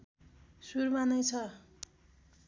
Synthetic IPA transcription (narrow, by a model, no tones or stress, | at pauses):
surmanʌjt͡sʰʌ